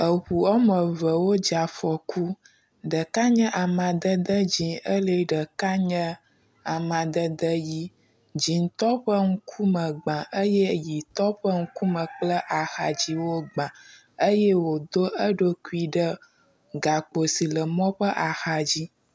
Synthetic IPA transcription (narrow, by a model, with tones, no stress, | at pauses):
ə˨ɸu˨ɔ˦mə˨və˨wo˦d͡ʒa˨fɔ˨kʰu˦ | ɖə˨ka˦ɲə̃˦ʔa˨mã˨d̪ə˦d̪ə˦d͡ʑĩ˨ə˦lə˨ɖə˨ka˦ɲə̃˦ | a˨mã˨d̪ə˦d̪ə˦ji˦ | d͡ʑi˨n˦t̪ɔ˦ɸə˦ŋ̩˦kʰu˦mə̃˨ɡ͡bã˨ʔə˦je˦ji˨t̪ɔ˦ɸə˦ŋ̩˦ku˦mə̃˨k͡plə˦ʔa˨xa˨d͡ʑi˦wo˦ɡ͡bã˨ | ə˦je˦wo˨d̪o˦ə˦ɖo˦ku˦i˦ɖə˦ | ɡa˨k͡po˨si˨lə˨mɔ̃˦ɸə˦ʔa˨xa˨d͡ʑi˦